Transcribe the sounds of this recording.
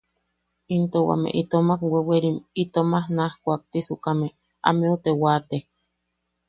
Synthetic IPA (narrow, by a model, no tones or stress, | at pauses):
int̪owa̰mḛʔit̪omakweweɾimit̪omahnahkʷak̚t̪isukame | a̰meut̪ewat̪e